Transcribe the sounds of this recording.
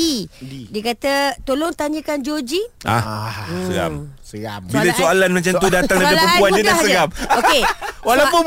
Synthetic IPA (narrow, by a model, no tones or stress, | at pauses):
idiəkat̪ət̪olɔŋt̪aɲəkand͡ʒod͡ʒiʔa̰səa̰m | abiləsoalanmat͡ʃamt̪udat̪aŋdapaəmpuandit̪asəɡamoewalawpʊn